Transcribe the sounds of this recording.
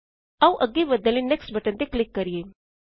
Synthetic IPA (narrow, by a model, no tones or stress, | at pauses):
aũʔəɡibəd̪əlĩneksʈbəʈə̃nt̪eklɪkːəɾije